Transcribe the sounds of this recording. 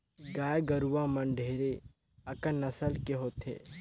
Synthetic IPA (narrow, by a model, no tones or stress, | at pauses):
ɡaːjɡəɾuʋamɐnɖʱeːɾe | ɐkənɐsəlkeɦoːt̪ʰḛː